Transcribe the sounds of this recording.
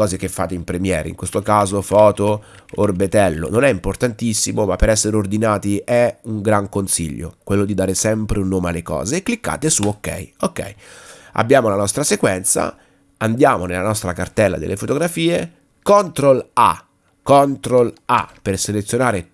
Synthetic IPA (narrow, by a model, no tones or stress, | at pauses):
ɔːzek̟efːa̰ːt̪eimpɾemjɛːɾḛḭŋkwest̪okaːzofɔːt̪o | orbet̪ɛlːo̰nonɛimport̪ant̪isːimomapːeɾɛsːeɾeord̪inaːt̪iʔɛuŋɡɾaŋkonsḭʎːo̰kwelːod̪id̪aːɾesɛmpɾeunːoːmealːekɔ̰ːzeːkːlikːa̰ːt̪esuokːɛ̰jokːɛ̰ja̰bːjaːmolanɔst̪ɾasekwɛnt̪sa̰ | and̪jaːmonelːanɔst̪ɾakart̪ɛlːa̰d̪ḛlːʔefot̪oɡɾafiːe | kɔnt̪ɾola̰ | kɔnt̪ɾola̰perselet̪sjonaːɾe